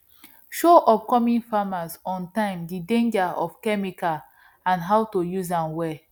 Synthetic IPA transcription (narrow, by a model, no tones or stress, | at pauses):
ʃoʔɔp̚kɔmĩnfamasɔ̃ntãɪ̃mdidẽnd͡ʒaɔfkɛmika | ãnɦawtojuzãnwɛ